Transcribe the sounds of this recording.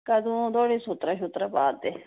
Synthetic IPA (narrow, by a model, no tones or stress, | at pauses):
kəd̪ũːd̪oːɽiːsʊt̪ɾaʃʊt̪ɾapaːd̪eː